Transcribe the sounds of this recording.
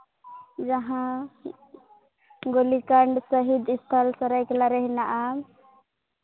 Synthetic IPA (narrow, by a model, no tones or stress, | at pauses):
d͡ʒaɦã | ɡolikaɳɖsəɦid̪ist̪ʰəlsəɾajkelaɾəɦinaʔa